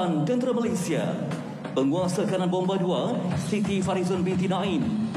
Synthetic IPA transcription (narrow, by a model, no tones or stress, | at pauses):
ankənt̪ɾəmalesia̰ | bəŋuasakanãnbɔmbaduasit̪ifaɾizɔnpint̪̬inãĩn